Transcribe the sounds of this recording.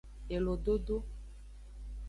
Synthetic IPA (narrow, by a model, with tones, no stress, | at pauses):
e˨lo˨ɖo˦ɖo˦